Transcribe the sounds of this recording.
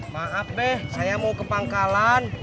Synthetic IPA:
maʔaf̚dɛhsajamowkəpaŋkalan

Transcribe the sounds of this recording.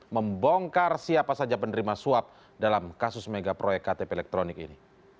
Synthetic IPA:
məmboŋkarsiapasad͡ʒapəndəɾimasuap̚ | dalamkasʊsmeɡapɾojɛkat̪epeɛlɛk̚t̪ɾonɪkḭni

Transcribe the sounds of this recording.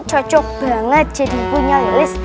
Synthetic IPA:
t͡ʃɔt͡ʃʊk̚b̥aŋət̪̚d͡ʒadipuɲalalɪs

